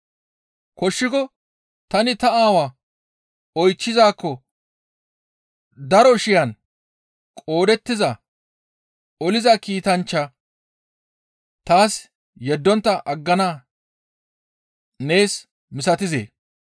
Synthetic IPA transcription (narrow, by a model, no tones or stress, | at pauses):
kɔʃːɪkɔ | t̪ɐnɪt̪ɐaːwaː | ɔjt͡ʃːɪzaːkːɔ | d̪ɐɾɔʃɪjan | kʼo̞ːd̪ɛt̪ːɪzɐ | ɔlɪzɐkiːt̪ɐnt͡ʃːɐ | t̪aːs | jɛd̪ːɔnt̪ːɐʔɐɡːɐnaː | ne̞ːs | mɪsɐt̪ɪze̞̰ː